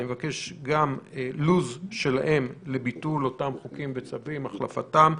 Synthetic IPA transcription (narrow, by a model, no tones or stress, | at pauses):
nimevakeʃɡamluzʃe̞la̰ʔe̞mlebitulo̞tamχukimvet͡savimaχla̰fa̰tam